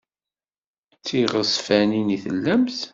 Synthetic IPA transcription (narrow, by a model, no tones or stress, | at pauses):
t͡sːiʁəsfæniniθə̰lːæmθ